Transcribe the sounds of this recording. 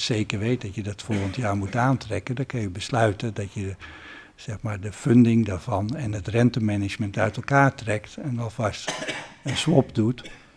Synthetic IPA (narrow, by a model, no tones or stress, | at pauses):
sejkəɹʋejt̚dɑtjədɔtfolˠɣəntjaːɹmutaːntrɛkəndɔkɑnjəbəslœɥtəndɑtjə | z̥ɛxmaːɹdəfʏndɪŋdaɹvɑnɛnətrɛntəmɛnɪt͡ʃməntœɥtɛlˠkaːɹtrɛktɛnʋɛlˠvɑstənsʋɔpdut